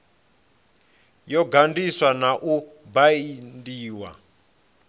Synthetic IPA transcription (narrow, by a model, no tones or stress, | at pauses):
jɔɡʱandiswanaʔubaindiːwa̰